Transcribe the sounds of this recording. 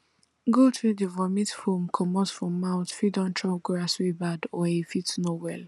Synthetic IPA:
ɡotɹudəvɔmitfumkʰɔmɔsfɹɔ̃mːaʊtfidɔ̃ntʰɹɔɡɹaswibadɔefitnowɛl

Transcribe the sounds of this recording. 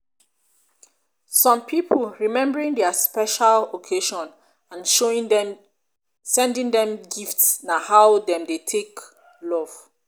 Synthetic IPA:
sɔ̃mpʰipʰəlɹimɛ̃mbəɹĩŋdɛspɛʃalokʰeʃɔ̃n | ãnʃoĩɛ | sɛ̃ndĩŋdɛ̃mɡiftsnahawdɛ̃mdetʰek | lɔv̥

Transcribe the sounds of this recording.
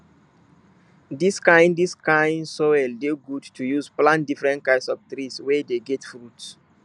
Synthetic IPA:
diskãɪ̃ndiskãɪ̃nsowɛldeɡudtujuzplãntdifɹɛ̃nt̚kãɪ̃nsɔft̪ɾiswɛdeɡɛtfɾuts

